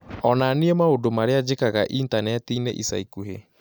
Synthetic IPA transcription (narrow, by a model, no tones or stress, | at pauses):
ɔnaneemaodomaɾead͡ʑekaɣaʔintanɛtinḛʔisa̰ikuɦḛ